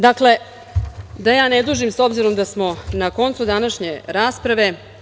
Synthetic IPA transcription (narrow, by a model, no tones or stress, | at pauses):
d̪akle̞ | d̪ajaːned̪uːʒimso̞bziɾo̞md̪asmo̞nako̞nt̪sud̪anaʃɲe̞ɾaːspɾaʋe̞